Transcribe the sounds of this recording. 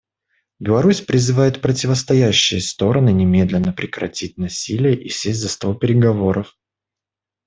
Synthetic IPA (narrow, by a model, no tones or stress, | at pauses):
bʲɪlˠɐɾusʲpɾʲɪzɨvajɪt̪pɾətʲɪvəst̪ɐjæɕːɪjəst̪o̞ɾənɨnʲɪmʲe̞d̪lʲɪnːəpɾʲɪkɾɐ̰tʲit̚ʲnɐsʲilʲɪjəʔisʲesʲtʲzɐst̪olˠpʲɪɾʲɪɡɐvo̞ɾəf